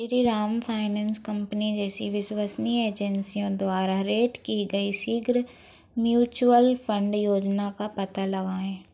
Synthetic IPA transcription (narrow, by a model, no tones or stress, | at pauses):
ɪɾiɾaːmfʰaːɪnɛ̃ːnskɐ̃mpnid͡ʒɛːsiʋɪswəsnieːd͡ʒɛnsijõd̪waːɾaɾeːʈkiɡɐisiːɡɾ | mjuːt͡ʃuəlfʰə̃ɳɖjoːd͡ʒnakapɐt̪alɐɡaːẽː